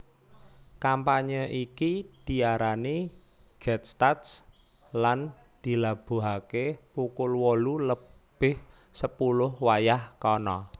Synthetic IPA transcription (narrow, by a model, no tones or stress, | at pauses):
kampaɲəʔikid̪̥i̤aɾani | ɡ̥ɛt̪̚st̪at̪s | lan | d̪̥i̤lab̥ṳɦakepukʊlwɔlulə | b̥ɪh | səpulʊhwajahkɔnɔ̰